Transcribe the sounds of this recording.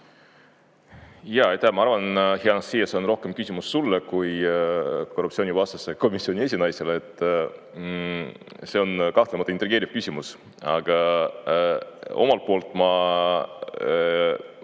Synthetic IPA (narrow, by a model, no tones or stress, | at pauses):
jɑejt̪ːæhmɑɑɾvɑnheɑnɑssiːjɑseo̞nro̞hke̞mkysʲimusːulːekuj | korupt̪sio̞ːnivɑst̪ɑsːe̞ko̞misio̞nʲie̞sʲinɑjseleet̪ːˑ | se̞o̞nkɑht̪lemɑt̪ːˑɑint̪ːˑɾiɡ̥eːɾiv̥kysʲimus | ɑ̰ɡ̥ɑ | o̞̰mɑlt̪̚po̞ːlt̪ːˑmɑ